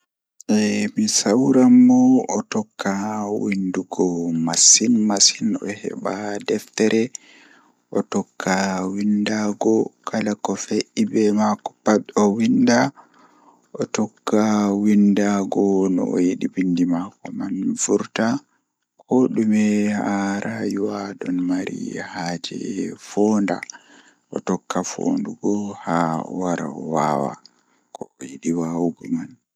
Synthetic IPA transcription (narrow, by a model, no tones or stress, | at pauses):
ʔɛmisawɾamːɔɔtɔkʰːawinduɡɔmasinmasinɔ̰hɛ̰ɓadɛftɛɾɛ | ʔɔtɔkʰːawindaɡɔkʰalakɔfeʔibɛmakɔ̥paɗɔwinda | ʔɔtɔkːawindaɡɔnɔ̰ɔjiɗibindimakɔmanfuɾta | kʰɔɗumɛhaɾʔajuwaɗɔnmaɾḭhaːd͡ʒɛ̰fɔnda̰ | ʔɔ̰tɔkʰːafo̰nduɡɔhawaɾa̰ɔwaːwa̰ | kʰɔɔjiɗiwawuɡɔman